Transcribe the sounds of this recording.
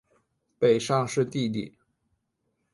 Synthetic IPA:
pe˨˩ɪʂɑ˥˧ŋʂɻ̩˥˧t̪i˥˧t̪i˥˩

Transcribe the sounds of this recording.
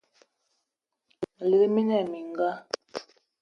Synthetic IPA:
li˨ɾi˦mi˦nɛ˨mi˨ŋ˦ɡa˦

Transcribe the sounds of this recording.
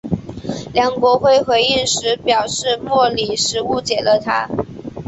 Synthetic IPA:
ljɑ˨˩ŋkwɔ˧˥xwe˥ɪxwe˧˥ɪi˥˩ŋʂɻ̩˧˥pjɑ˨˩ʊʂɻ̩˥˧mwɔ˥˩li˨˩ʂɻ̩˧˥u˧˥t͡ɕjɛ˨˩lə˦t̪ʰa̰˥

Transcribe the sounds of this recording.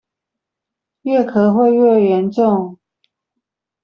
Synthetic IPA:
ɥɛ˥˩kʰɤ˨˩˦xwe˥˧ɪɥɛ˥˨˩ɥɛ˧˦nʈ͡ʂʊ˥˨ŋ

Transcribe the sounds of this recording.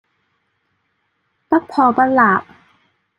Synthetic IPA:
t̪a˦˥k̚pʰɔː˨˩pa˧nlaː˨˩p̚

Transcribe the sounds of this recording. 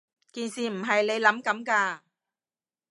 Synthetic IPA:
kiː˨nsiː˨m̩˨˩ɦɐ˨jne˨˧jlɐ˨˥mkɐ˨˥mkaː˧

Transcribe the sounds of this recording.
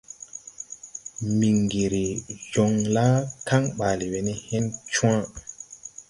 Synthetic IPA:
mi˨ŋɡi˨ɾi˨d͡ʒɔ˨ŋla˦ka˦ŋɓaː˨li˨we˨nɛ˦hɛ˦nt͡ʃũ˦ã˦

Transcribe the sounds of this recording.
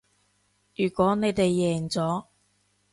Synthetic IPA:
jyː˨˩kwɔː˨˥ne˨˧jt̪e˨jːɛː˨˩ŋt͡sɔː˨˥

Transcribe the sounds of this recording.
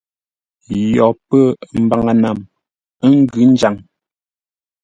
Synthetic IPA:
jɔ˨pə˦m̩˨˦ba˨ŋa˨na˨m | ə˦ŋ̩˦ɡʉ˨˦n̩˦d͡ʒa˨ŋ

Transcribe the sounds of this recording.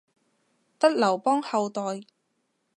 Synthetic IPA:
t̪ɐ˥t̚lɐ˨˩wpɔː˥ŋhɐ˨˧wt̪ɔː˨˧j

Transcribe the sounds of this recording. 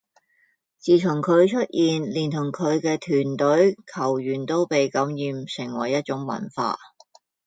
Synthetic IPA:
t͡siː˨t̪ʰʊ˨˩ŋkʰɵ˨˧ɥt͡ʃʰɵ˥t̚jʔiː˨nliː˨˩nt̪ʰʊ˨˩ŋkʰɵ˨˧ɥkɛː˧t̪ʰyː˨˩nt̪ɵ˨˥ɥkʰɐ˨˩wjyː˨˩nt̪o˥wpe˨jkɐ˨˥mjiː˨˧msɪ˨˩ŋwɐ˨˩jːɐ˥t̚t͡ʃʊ˨˥ŋmɐ̰˨˩nfa̰ː˧t̚

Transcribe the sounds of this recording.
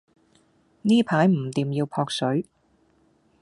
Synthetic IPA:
niː˥pʰaː˨˥jm̩˨˩t̪iː˨mjiː˧wpʰɔː˧k̚sɵ˨˥ɥ

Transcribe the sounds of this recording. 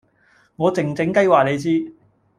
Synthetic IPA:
ŋɔː˨˧t͡sɪ˨˩ŋt͡sɪ˨˥ŋkɐ˥jwaː˨ne˨˧jt͡siː˥

